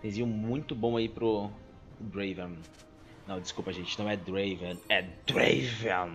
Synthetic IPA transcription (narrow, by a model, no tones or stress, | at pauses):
t̪ẽziɐ̃mũj̃t̪ʊbõw̃aipɾʊ | d̪ɾejvẽn | nɐ̃w̃d͡ʒɪskupɐʒẽnt͡ʃɪnɐ̃w̃ɛd̪ɾejvẽnɛd̪ɾejvẽ